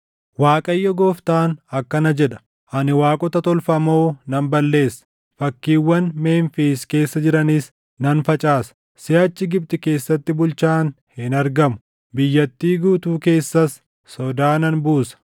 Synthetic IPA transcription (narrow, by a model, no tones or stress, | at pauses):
waːkʼɐjːɔɡoːft̪aːnɐkːɐnɐd͡ʒɛᶑɐ̥ | ʔɐnɪwaːkʼɔt̪ɐt̪ɔlfɐmo̞ːnɐnbɐlːe̞ːsːɐ̥ | fɐkːiːwːɐnme̞ːnfiːske̞ːsːɐd͡ʒɪɾɐnɪs | nɐnfɐt͡ʃʼaːsɐ̥ | sɪɐt͡ʃːɪɡɪb̚t̪ɪke̞ːsːɐt̪ːɪbʊlt͡ʃaːn | hɪnɐɾɡɐmʊ̥ | bɪjːɐt̪ːiːɡuːt̪uːke̞ːsːɐsː | ɔd̪aːnɐnbuːsɐ̥